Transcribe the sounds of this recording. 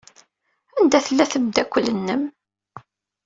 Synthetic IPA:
ænd̪æθəlːæθəmd̪ækʷːələnːəm

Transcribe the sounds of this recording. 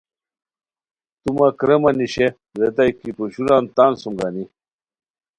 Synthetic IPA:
t̪umɐkɾemɐniɕe | zet̪ajkipuɕuɾaːnt̪aːnsumɡani

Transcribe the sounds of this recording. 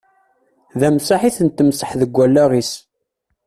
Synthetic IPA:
ðæmsaħiθənt̪ːəmsəħðəɡʷːælːæʁis

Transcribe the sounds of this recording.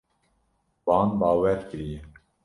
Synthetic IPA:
bɑːnbɑːwɛɾkɨɾije

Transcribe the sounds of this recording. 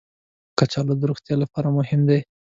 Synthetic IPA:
kat͡ʃɑlad̪əɾoxt̪jɑlapɑɾamʊhɪmd̪e

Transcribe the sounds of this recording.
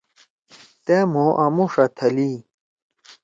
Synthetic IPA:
t̪emoʔamuʂɐt̪ʰɐli

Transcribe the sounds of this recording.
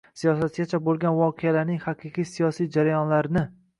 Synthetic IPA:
sijɒsat̪ɡʲat͡ʃʰabolˠɡʲanvɒqʰealaɾnɪŋhaqʰɨqʰɨjsijɒsijd͡ʒaɾajɒnlaɾnɪ

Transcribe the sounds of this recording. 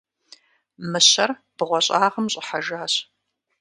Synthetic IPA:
mɨɕɐrb̥ɨʁʷɔɕʼaːʁəmɕʼɪħaʒaːɕ

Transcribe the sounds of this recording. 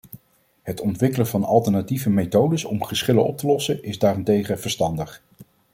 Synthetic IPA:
ɦətɔntʋɪkələvɑnɑ̰lˠtəɹnativəmejtowdəsɔmχəsχɪlənɔp̚təlɔsənʔɪzdaːrɪntejχəv̥əɹstɑndəχ

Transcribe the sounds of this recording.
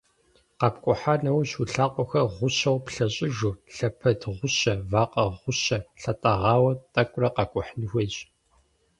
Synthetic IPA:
qɑp̚kʷʼʊħaːnɐwɕuɬaːqʷʼɔxɐʁʷʊɕɐwpɬɐɕʼɪʒuɬɐpʰɐdʁʷʊɕɐvaːqɐʁʷʊɕɐɬɐtʼɐʁɑːwɐtʼɐkʷʼʊrɐqɑkʷʼʊħnixʷeɕʼ

